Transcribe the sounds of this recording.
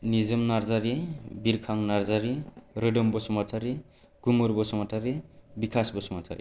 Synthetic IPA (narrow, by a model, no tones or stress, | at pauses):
nizʌmnaɾd͡zaɾibiɾkʰaŋnaɾd͡zaɾiɾeɖʌmbʌsumatʰaɾi | ɡumuɾbɔsumatʰaɾibikʰasbʌsumatʰa̰ɾḭ